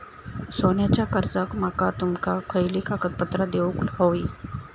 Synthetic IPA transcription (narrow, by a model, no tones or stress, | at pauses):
sonjat͡ɕakəɾd͡zakmakat̪umkakʰəjlikakət̪̚pət̪ɾəd̪euklhoi